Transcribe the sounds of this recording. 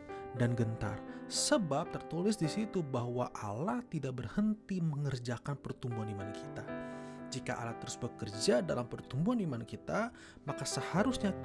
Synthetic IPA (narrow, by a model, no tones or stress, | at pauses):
danɡənt̪a̰rsəbap̚t̪ərt̪ulɪsdisit̪ubahwaʔalaht̪idak̚bərhənt̪iməŋərd͡ʒakanpərt̪umbuɦanimankʰit̪ad͡ʒika̰ʔa̰laht̪əɾʊsbəkərd͡ʒadalampərt̪umbuɦanimankit̪a | makasəhaɾʊsɲa